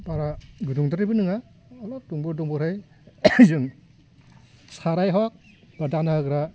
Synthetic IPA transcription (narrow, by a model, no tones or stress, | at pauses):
baɾaɡɯduŋdaɾibɯnɯŋaː | lɔp̚duŋbɯɾdɔŋbɯɾhɯj | zɯŋ | saɾajɦɔk̚ | badanaɯɡɾa